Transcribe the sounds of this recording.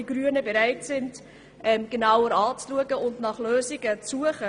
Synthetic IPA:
iɡɾyənəbeɾaɪtsɪnd | ʔɛmɡ̥enawəɾɑːt͡sluəɡəʊndnɑχløːziɡət͡suəχə

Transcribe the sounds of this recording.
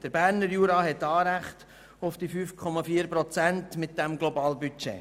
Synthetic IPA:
d̥əɾbæːɾnəɾjuːɾɑːɦɛtːɑːɾæχt̪ | ʊfd̥ifyːfkʰɔmɑfiːəɾpɾɔt͡sæntmɪt̚d̥ɛmɡlɔbɑːlbyt͡ʃḛ

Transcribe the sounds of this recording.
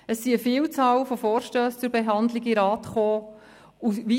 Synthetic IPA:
əsːiəfiːlt͡sɑːlfofoːɾʃtøːst͡sʊɾbeɦɑnd̪liɡiɾɑːtχoː | uʋi

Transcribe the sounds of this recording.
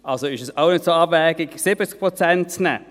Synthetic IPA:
ʔalsoɪʃəsaʊnɪtsoabvɛːɡɪɡsɪb̥ət͡sk̚pʁot͡sɛntt͡snɛ̰

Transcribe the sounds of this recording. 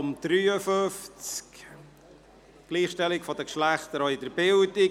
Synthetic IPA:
ʊmd̪̥ɾyːəfɵft͡sk | ɡ̥liːχʃtɛlɪkfɔd̪əkʃlæχt̪əɾɔɪd̪əɾbɪldɪ

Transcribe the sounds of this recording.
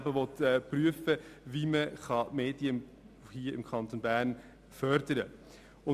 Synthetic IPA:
bəvɔt̪ɛpryəfəviːməχɑmeːd̥iə | hiːəɪmkʰɑnt̪onbæːɾn | fœɾd̥əɾə | ʊ

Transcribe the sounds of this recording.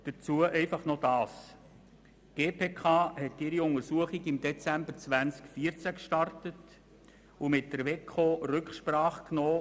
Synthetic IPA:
d̥ət͡suəʔɛɪfɑχnod̥ɑːs | ɡ̥eːpʰeːkʰɑːhɛtɪɾiʊŋəɾsuəχiɡɪmd̥ɛt͡sæmbəɾt͡sʋænt͡skfiəɾt͡sækʃtɑrtət | umɪt̚dəɾʋɛkʰorʏkχʃpɾɑːχknoː

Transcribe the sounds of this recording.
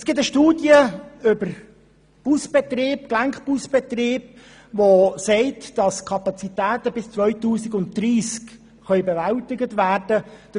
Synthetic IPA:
ɛsɡ̥ɪt̬əʃtuːdjəʏbəɾ | b̥usb̥ɛtreːpklæŋkpusb̥ɛt̪rɪːb̥̚ | vosɛɪtd̥ɑskʰɑpɑt͡sitæːtəbɪst͡sʋœɥtuːsɪɡʊntd̥ɾiːsk | χœʏbɛvæltɪɡətvæːrdəd̥

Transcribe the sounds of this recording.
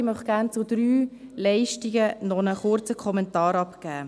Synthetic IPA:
ɪmœχɡ̥æːɾnt͡sʊdɾyːlɛɪʃtiɡənɔnəχʊɾt͡səkʰχɔmɛntɑːɾɑpkæː

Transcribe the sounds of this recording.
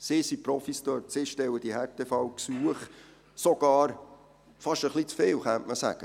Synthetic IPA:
sɪsipɾɔfist̪œtsɪʃtɛwəd̥̪ihɛɾt̪ʰefɑwksuəχ | sɔɡ̥ɑːɾ | fɑʃəχlit͡sfeːwχantməsæ̰ɡ̥ə

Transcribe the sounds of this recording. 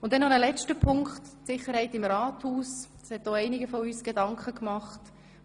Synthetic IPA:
ʊntdɛnːɔnəlɛt͡ʃtəpʰʊŋkχtsɪχəɾhɛɪtɪmɾaːthuːsd̥ɑ̥shɛt̚ːɔɛɪnɪɡəfɔyːsɡ̥edɑŋkχəkmɑχt

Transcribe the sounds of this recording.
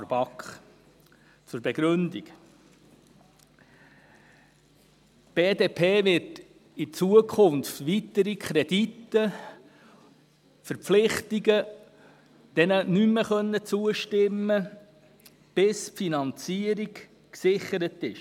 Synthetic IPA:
ɾb̥ɑkχ | t͡sʊɾb̥ɛɡ̥ɾɵnd̪ḭɡ | b̥eːdeːpʰeːʋɪt | it͡suəkʰχʊnftʋit̪əɾikχɾɛd̥itːə | fəɾpflɪχtiɡə | d̪̥ɛnənymːəχœnːət͡suəʃtɪmːə | b̥ɪspfinɑnt͡siəɾik | ksɪχəɾətɪʃ

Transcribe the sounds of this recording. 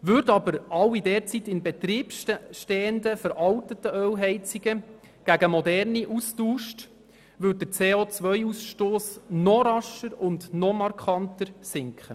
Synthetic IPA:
ʋʏɾdɑbəɾɑwidɛːɾt͡sit̪ɪnbɛt̪ɾiːpʃʃtɛːəndəfəɾʔɑwtətəœwɦɛɪt͡siɡə | ɡ̥æɡəmɔdɛrniʔustuːʃt | ʋʏd̚dəɾt͡seːoːt͡sʋœjusʃtoːsnɔɾɑʃəɾʊndnɔmɑɾkχɑntəɾsɪŋkχə

